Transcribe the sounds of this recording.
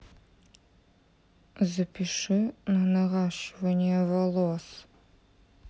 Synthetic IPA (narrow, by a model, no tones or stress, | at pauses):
zɨpʰiʂɨnɐnɐʁɑːɕvɐniɐvɐlos